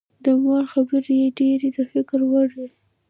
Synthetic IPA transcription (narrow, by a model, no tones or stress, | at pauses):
d̪əmɑɾxabəɾjeɖeɾed̪əfɪkɾwəɽi